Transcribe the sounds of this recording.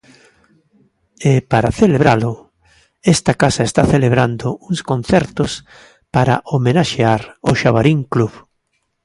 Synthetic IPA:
epaɾaθeleβɾalʊ | est̪akasaest̪aθeleβɾand̪ʊuŋskon̟θɛɾt̪ʊs | paɾa̰ʔomenaʃeaɾoʃaβaɾiŋkluβ

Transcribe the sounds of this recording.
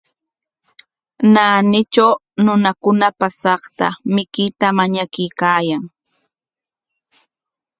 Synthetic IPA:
naːnɪt͡ʃaw | nʊnakʊnapasɑχt̪a̰mɪkɪt̪amaɲakɪjkaːjaŋ

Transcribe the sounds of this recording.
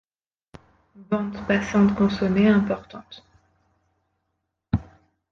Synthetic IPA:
bɑ̃t̪pasɑ̃t̪kɔ̃someɛ̃pɔʁt̪ɑ̃t̪

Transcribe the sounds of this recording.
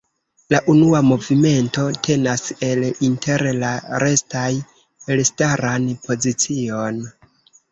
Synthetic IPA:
laʔunuamo̞vime̞nto̞tʰe̞nase̞lintʰe̞ɾlaɾe̞staj | elstaɾanpʰo̞zit͡sio̞n

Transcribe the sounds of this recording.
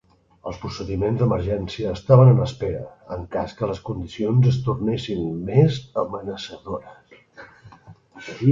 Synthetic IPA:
ə̰lˠspɾusəðimenzd̪əməɾʒɛnsiəːst̪aβ̞ənənəspeɾəəŋkaskələskund̪isionzəst̪urnesinmezəmənəsəðoɾəs

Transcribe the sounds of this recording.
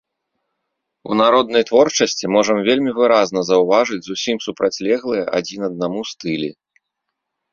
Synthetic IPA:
ṵnaɾɔd̪̚nɐjt̪vɔrt͡ʂɐsʲt͡sʲimɔʐɐmvʲelʲmʲivɨɾaznɐzɐwvaʐɨd͡zʲzusʲimsupɾʔat͡sʲlʲɛɣlˠɨjɛʔad͡zʲinɐd̪̚namust̪ɨlʲḭ

